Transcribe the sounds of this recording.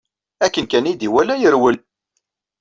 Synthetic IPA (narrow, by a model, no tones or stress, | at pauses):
ækːənkænid̪iwælæjəɾwəl